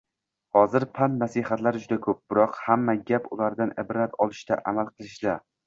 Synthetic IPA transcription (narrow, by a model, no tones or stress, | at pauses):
hɒzɪɾpʰant̪nasihat̪laɾd͡ʒʊd̪akʰɵp̚bɪɾɒqhamːaɡʲapʊlaɾd̪anʔɪbɾat̪ɒlˠɪʃt̪a̰ʔamalˠqʰɨlˠɪʃd̪a